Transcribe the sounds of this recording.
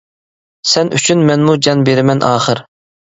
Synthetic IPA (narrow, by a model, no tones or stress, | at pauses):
sɛny̰t͡ʃʰynmɛnmud͡ʒɑnbeɾɪmɛnʔɑːχəɾ